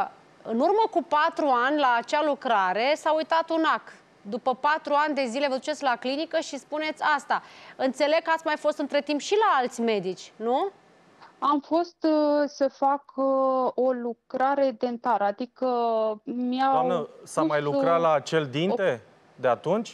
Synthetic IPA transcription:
ɨnurməkupat̪ɾuanʲlaːt͡ʃalukɾaɾe̞saujt̪at̪unak̪ | d̪upəpat̪ɾuanʲd̪e̞zile̞vəd̪ut͡ʃe̞t̪sʲlaklinikəʃispune̞t̪sʲast̪aɨnt̪se̞le̞ɡ̚kːat̪sʲmajfo̞st̪ɨnt̪ɾe̞t̪impʃilaalt̪sʲme̞d̪it͡ʃʲnu | amfo̞st̪səfak | o̞lukɾaɾe̞d̪e̞nt̪aɾad̪ikə | mianəsamajlukɾat̪laːt͡ʃe̞ld̪int̪e̞ | d̪eat̪unt͡ʃʲ

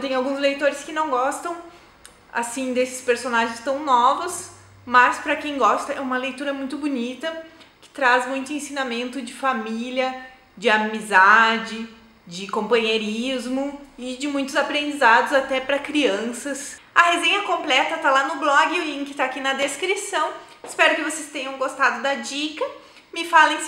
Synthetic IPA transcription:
t̪ẽj̃ʊawɡũzlejt̪oɾɪskɪnɐ̃w̃ɡɔst̪ɐ̃w̃ | a̰sĩd̪esɪ̥speɾsonaʒẽj̃st̪ɐ̃w̃nɔvɐs | mɐspɾɐkẽj̃ɡɔst̪ɐʔɛũmɐlejt̪uɾɐmũj̃t̪ʊbunit̪ɐkɪ̥t̪ɾazmũj̃t̪ʊẽsinamẽnt̪ʊd͡ʒɪfamilʲjɐ | d͡ʒɪamizad͡ʒɪ | d͡ʒɪkõmpɐ̃ɲeɾizmʊɪd͡ʒɪmũj̃t̪ʊzapɾẽnd͡ʒizad̪ʊzat̪ɛpɾɐkɾiɐ̃sɐs | ɐhezẽɲɐkõmplɛt̪ɐt̪alanʊblɔɡɪʊĩŋkɪt̪aːkinɐd̪eskɾisɐ̃w̃ | ɪspɛɾʊkɪvosest̪ẽɲ̃ɐ̃w̃ɡost̪ad̪ʊd̪ɐd͡ʒikɐ | mɪfalẽj̃

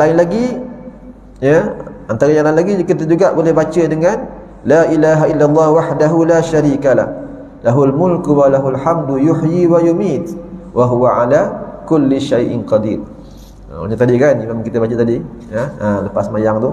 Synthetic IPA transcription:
laɪnlaɡi | jəʔant̪aɾaɲalaɪnlaɡikit̪əd͡ʒuɡaʔbolɛhbat͡ʃədəŋan | laːʔilaɦailːalˤːɑːhwaħdaɦulaːʃaɾiːkala̰h | laɦulmʊlkwalaɦulħamdjʊħjiwajumiːt̪wʔaɦuwaʕalakʊlːiʃajʔɪ̰nqɑd̪iːr | o̰ɲat̪adikanimamaŋkit̪əbat͡ʃət̪adi | jəələpasmajaŋt̪ʊ

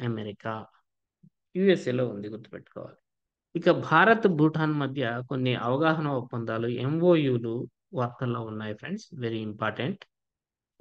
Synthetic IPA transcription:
ɐmeɾikaː | juːeseːloːund̪iɡuɾt̪ːu̥pḛʈːu̥kɔ̰ːʋa̰ːli | ikɐbʱaːɾɐt̪bʱuːʈʰaːnmɐd̪ʱjɐko̞nːiʔɐʋɐɡaːɦɐnɐupːɐnd̪aːluemʋoːjuːlu | ʋaːɾt̪ɐlːoːunːaːjɐpʰɾeɳɖsʋeɾiːmpaːɾʈeɳʈ

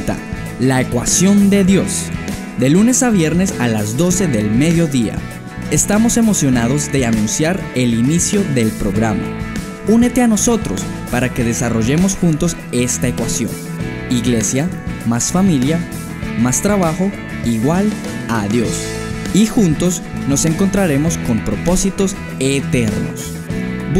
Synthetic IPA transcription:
t̪a̰ | laekwasjo̞nd̪e̞ðjo̞s | d̪e̞lune̞saβje̞ɾnesalazd̪o̞se̞ðe̞lme̞ðjo̞ðia̰ | e̞st̪amo̞se̞mo̞sjo̞nað̞o̞zd̪e̞anũnsjaɾe̞linisjo̞ðe̞lpɾo̞ɣɾama̰ | une̞t̪e̞ano̞so̞t̪ɾo̞̰s | paɾake̞ðe̞saro̞ʝe̞mo̞sxunt̪o̞s | e̞st̪ae̞kwasjo̞n | iɣle̞sjamasfamilja | mast̪ɾaβaxo̞ | iɣwal | aðjo̞s | ixunt̪o̞s | no̞se̞ŋko̞nt̪ɾaɾe̞mo̞sko̞mpɾo̞po̞sit̪o̞s | et̪e̞ɾno̰s

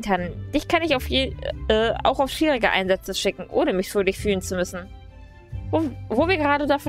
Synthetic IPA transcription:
kʰand̥ɪçkʰanɪçaʊfjeːʔɛːa̰ʊxaʊʃv̥iːʁɪɡəʔa̰ɪnzɛt͡səʃɪkŋ̩ʔo̰ːnəmɪçfyɐdɪçfyːlənt͡sumʏsn̩ | vovoːviːɐɡəʁaːdədafɔ

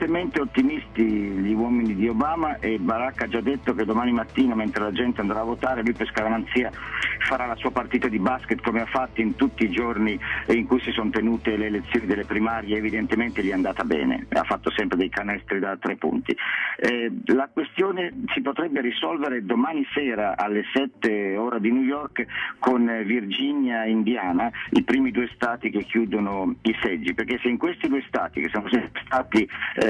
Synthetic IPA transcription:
t̪ement̪eot̪ːimist̪iʎiwɔːminid̪iobaːmaʔebaɾakːad͡ʒad̪ːet̪ːoked̪ːomaːnimat̪ːiːnament̪ɾelad͡ʒɛnt̪eand̪ɾaːvot̪aːɾelujpeskaɡaɾant̪siːafaɾalasuːapart̪iːt̪ad̪ibasket̪komeafːat̪ːoint̪ut̪ːiːd͡ʒorniiŋkujsisont̪enuːt̪eleːlet̪sːjoːnid̪elːepɾimaːɾjeːvid̪ent̪ement̪eʎɛand̪aːt̪abɛ̰ːnḛa̰fːat̪ːosɛmpɾed̪ɛjkanɛst̪ɾid̪at̪ːɾepːṵnt̪ḭɛlakwest̪joːnet͡ʃipot̪ɾɛbːeɾisɔlveɾed̪omaːnisɛːɾaʔalːesɛt̪ːeoːɾad̪inujɔrkkonvird͡ʒinjaind̪jaːnaipɾiːmid̪uːest̪aːt̪ik̟ekːjuːd̪onoisɛd͡ʒːiperkesːeiŋkwest̪id̪uest̪a̰ːt̪ikesːoːnsist̪aːt̪i

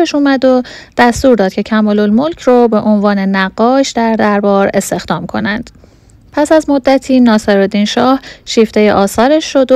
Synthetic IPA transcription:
eʃuːmæd̪od̪̥æst̪uːɾd̪ɒːd̪̥̚cʰe̞cʰæmɒːlolmolcʰrobe̞ʔonvɒːne̞næɢːɒːʃd̪æɾd̪æɾbɒːɾe̞st̪e̞xd̪ɒːmkʰo̞̰nænd̪̥ | pʰæsæzmo̞d̪ːæt̪ʰiːnɒːseɾɒd̪inʃɒːhʃiːft̪ejeʔɒːsɒːɾeʃːod̪

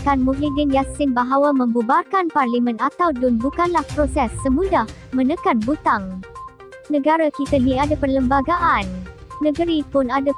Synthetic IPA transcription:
kanmuklidinjasɪnbaɦawamə̃mbubarkanparlimə̃nat̪awdʊnbukanlahpɾosɛsːəmũdah | mə̃nəkanbut̪aŋ | nə̃ɡaɾakit̪aniadapərləmbaɡaʔanː | ə̃ɡəɾipʊnada

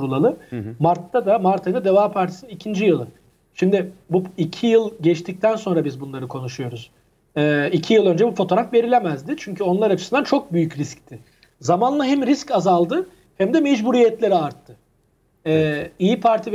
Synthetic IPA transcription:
ɾulˠalˠɯmaɾt̪ʰːad̪amaɾt̪ʰajɯnad̪evaːpʰaɾt̪ʰi̥sinnicʰind͡ʒijɯlˠɯ | ʃimd̪ɪbuicʰijɯlˠɟɛt͡ʃt̪ʰic̚t̪ʰænso̞nɾabizbunlˠaɾɯkʰo̞nuʃujo̞ɾuz̥ | ɛːicʰijɯlˠø̞nd͡ʒɛbufo̞t̪ʰo̞ɾafve̞ɾilʲemæzd̪ɪt͡ʃʰyɲcʰyo̞nlˠaɾat͡ʃʰɯ̥sɯnd̪ant͡ʃʰo̞k̚byjycɾisct̪ʰɪ | zamanlˠaɦɛmɾiscazalˠd̪ɯ | hæmd̪ɛmɛd͡ʒbuɾijɛt̪lʲe̞ɾiaɾt̪ʰːɯ | ɛːijipʰaɾt̪ʰiv

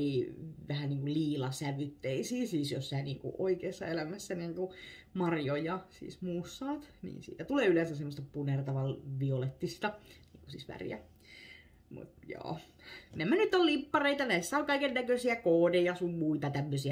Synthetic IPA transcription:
iʋæhæniːŋkulliːlɑsæʋyt̪ːeisiːsiːsjossæːnḭːŋkṵʔoikeːsːɑelæmæsːæniːŋku | mɑrjojɑsḭːsmuːsːɑːt̪nḭːnsḭːt̪æt̪uleːylensæssemːost̪ɑpunert̪ɑʋɑlʋiolet̪ːist̪ɑnḭːŋkusḭːsʋæ̰rḭjæ̰ | mṵt̪jo̰ː | nemːænyt̪ːollimpːɑreit̪ɑnæisːæoŋkɑikennækøsiækoːdejɑsumːuit̪ɑt̪æmːøsiæ

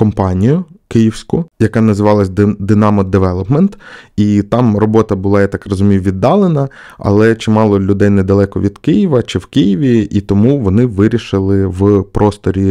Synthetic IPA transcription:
kɔmpɑnʲijʊkɪjiwsʲkʊjɐkɑnɐzɪʋɑlˠɐsʲd̪d̪ɪnɑmɔd̪eʋɛlˠɔpment̪it̪ɑmrɔbɔt̪ɐbʊlˠɑjat̪ɑkrɔzʊmʲijʊʋʲid̪ːɑlˠenɐ | ɐ̰lˠɛt͡ʃɪmɑlˠɔlʲʊd̪ɛjnɛd̪ɐlˠɛkɔʋʲid̪kɪjiʋɐt͡ʃɪwkɪjiʋʲiit̪ɔmuʋɔnɪʋɪɾʲiʃɪlˠɪʋpɾɔst̪ɔɾʲi

